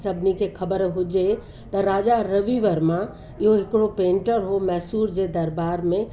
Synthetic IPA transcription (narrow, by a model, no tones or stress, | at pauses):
səbnikekʰɐbəɾɦʊd͡ʒe | t̪ɐɾaːd͡ʒaɾəʋiʋəɾmã | ɪɦoɦɪkɽopẽːɳʈəɾɦomɛːsuːɾd͡ʒed̪ɐɾbaːɾmẽ